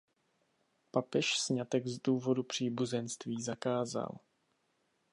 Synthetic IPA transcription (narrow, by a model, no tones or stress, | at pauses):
papɛʃsɲat̪ɛɡzduːvo̞dupr̝̥iːbuzɛnst̪viːzakaːza̰l